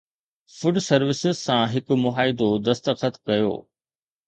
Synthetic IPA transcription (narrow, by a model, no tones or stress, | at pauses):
fʊɖsɐɾʋɪsɪzsãɦɪkʊ̆mʊɦaːɪd̪od̪ɐst̪əqət̪kɐjo̰ː